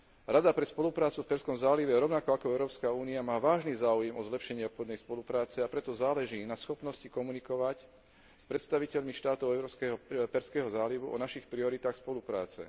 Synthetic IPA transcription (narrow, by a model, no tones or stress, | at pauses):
ɾad̪apɾɛspɔlupɾaːt͡sufpɛɾskɔmzaːliʋɛɾɔʊnakɔakɔɛʊɾɔːpskauːniamaːʋaːʒniːzaːujɛmɔzlɛpʃɛɲɪɛɔpxɔd̪nɛjspɔlupɾaːt͡sɛapɾɛt̪ɔzaːlɛʒiːnasxɔpnɔscikɔmunikɔʋac | spɾɛt̪st̪aʋicɛʎmiʃt̪aːt̪ɔʊɛʊɾɔːskɛɦɔpɛɾskɛːɦɔzaːliʋuɔ̰naʃixpɾiɔɾit̪aːxspɔlupɾa̰ːt͡sɛ̰